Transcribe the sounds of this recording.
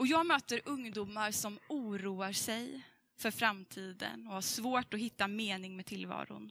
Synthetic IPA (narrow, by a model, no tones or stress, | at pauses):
ɔjɑːɡmøːt̪əɾʔɵŋd̪uːmːaɾsɔmuːɾuːaɾʂɛj | fœɾfɾamt̪ʰiːd̪ə̰nɔhaʂvoːʈɔɦɪt̪ːameːnɪŋmeːt̪ʰɪlvɑ̰ːɾʊ̰n